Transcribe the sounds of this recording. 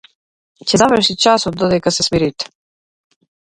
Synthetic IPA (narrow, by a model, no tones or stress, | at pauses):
cɛzavəɾʃit͡ʃasɔt̪̚d̪ɔd̪ɛkasɛsmiɾit̪ɛ̥